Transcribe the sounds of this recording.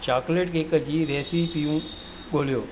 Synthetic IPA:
t͡ɕaːkleʈkɪkəd͡ʑiːɾɛːsit̪ijũ | ɓoːlijoː

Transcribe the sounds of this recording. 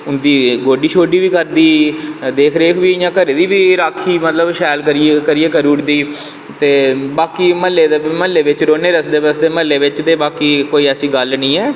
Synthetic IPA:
ʊnd̪iːɡoːɖiːʃʰoːɖiːʋiːkəɾd̪iːd̪eːkʰɾeːkʰʋiːɪjãːkəɾeːd̪iːʋiːɾaːkʰːiːmət̪ləbʃɛːlkəɾiekəɾiːeːkəɾuːʈd̪iː | t̪eːbaːkiːməlːeːd̪eːməlːeːʋɪt͡ʃɾoːneːɾəsd̪eːbəsd̪eːməlːeːʋɪt͡ʃt̪eːbaːkiːkoːiːəsĩːɡəlnĩːɛː

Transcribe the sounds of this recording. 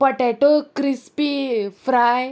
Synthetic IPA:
pəʈɛʈokɾispifɾaj

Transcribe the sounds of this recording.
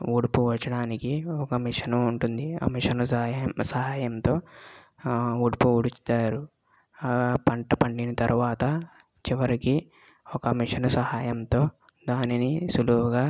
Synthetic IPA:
uɽupuʋɐt͡ʃːɐɽaːnikiɔkɐmiʂɐnɐuɳʈund̪iɐ̰miʂɐnɐsɐɦaːjɐmt̪o̞ː | uɽpuuɽut͡ʃt̪aːɾu | pɐɳʈɐpɐɳɖinɐt̪ɐɾuʋaːt̪ɐ | t͡ʃiʋɐɾiki | ɔkɐmiʂɐnɐsɐhaːjɐmt̪o̞ː | d̪aːninisuluɦuɡaː

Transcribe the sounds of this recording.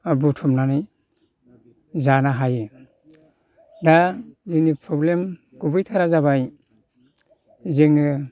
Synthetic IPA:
abutʰumnanɯj | zanaɦajɯ | dazinipʰɾɔblem | ɡ̥ubɯjtʰaɾazaβaj | zeŋɯ

